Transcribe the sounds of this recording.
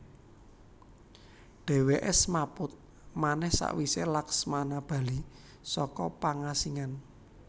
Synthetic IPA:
ɖ̥ɛ̤weʔɛsmapʊt̪̚ | manɛhsa̰ʔwiselaksmanab̥a̤li | sɔkɔpaŋasiŋan

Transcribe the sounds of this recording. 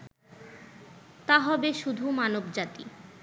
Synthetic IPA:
t̪aɦɔbeʃud̪ʱumanobd͡ʑat̪ḭ

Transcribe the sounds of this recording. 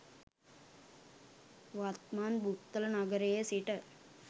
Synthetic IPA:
ʋaːt̪maːnbʱupt̪ɐlɐnɐɡɐɾejesiʈɐ

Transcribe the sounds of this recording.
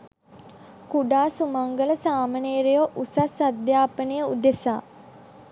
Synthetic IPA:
kuɖaːsumaŋɡələsaːməneːɾejoʔusasad̪jaːpənəjəud̪esa̰ː

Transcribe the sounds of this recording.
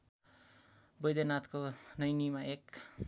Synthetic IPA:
bʌjd̪enat̪konʌjnimaek

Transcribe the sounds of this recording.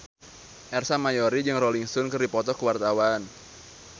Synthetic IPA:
ʔɛrsamajɔɾid͡ʒɨŋrɔliŋst̪ɔnkɨrdipɔt̪ɔkəwart̪awan

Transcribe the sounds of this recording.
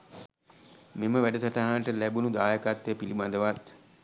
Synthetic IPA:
meməʋæɖəsaʈaɦaːʈəlæbunud̪aːjəkat̪ːejpilibad̪əʋat̪

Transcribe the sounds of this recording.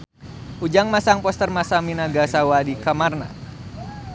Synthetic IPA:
ʔud͡ʒaŋmasaŋpɔst̪ərmasaminaɡasawadikamarna̰

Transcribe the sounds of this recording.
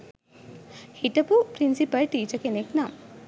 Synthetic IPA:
hiʈɐpupɾinsipɐlʈiːt͡ʃɐkeneknam

